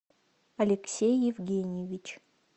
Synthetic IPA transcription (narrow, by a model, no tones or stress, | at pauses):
ɐlʲɪksʲejːɪvɡʲenʲɪjɪvʲit͡ɕ